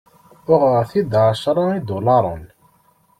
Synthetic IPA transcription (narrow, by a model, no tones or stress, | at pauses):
ʊʁəɾθid̪ʕaʃɾˤɑid̪ʊlɑɾˤə̰n